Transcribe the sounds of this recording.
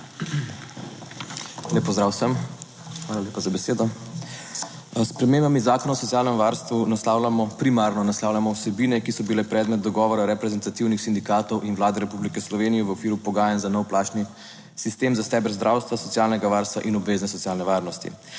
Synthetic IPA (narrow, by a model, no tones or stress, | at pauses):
lepɔzd̪ɾaːwsəm | xʋalaleːpazabɛseːd̪ɔ | spɾɛmeːmbamizaːkɔnaɔsɔt̪iaːlnɛmʋaɾst̪ʋunaslaːwlamɔpɾimaɾnɔnaslaːwlʲjamɔwsɛbiːnɛkisɔbilɛpɾɛːd̪mɛt̪̚d̪ɔɡɔːʋɔɾaɾɛpɾɛzɛnt̪at̪iwnixsind̪ikaːt̪ɔwʔinʋlaːd̪ɛɾɛpublikɛslɔʋeːnijɛʋəokiːɾupɔɡaːjanzanɛwplaːt͡ʃni | sist̪eːmzast̪ɛːbəɾzd̪ɾʔaːwst̪ʋasɔt̪sijaːlnɛɡaʋaːɾst̪ʋa̰ʔinɔbʋeːznɛsɔt̪sjaːlnɛʋaːɾnɔst̪ḭ